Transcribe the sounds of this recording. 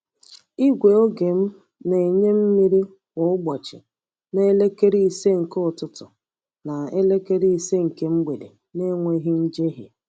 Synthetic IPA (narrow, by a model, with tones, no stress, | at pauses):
i˦ɡʷe˨o˦ɡe˨m̩˦ | ne˨ɲe˦m̩˦mi˦ɾi˦ | wɔ˨ʊ˦ɡ͡bɔ˨t͡ʃɪ̰˨ | ne˦le˦ke˦ɾi˦i˨se˦ŋ̩˨kʊ˨tʊ˦tʊ˨ | na˨e˦le˦ke˦ɾi˦i˨se˦ŋ̩˨ke˦m̩˦ɡ͡be˨dḛ˨ | ne˦ŋʷe˦ɦi˦n̩˦d͡ʒe˦ɦḭ˨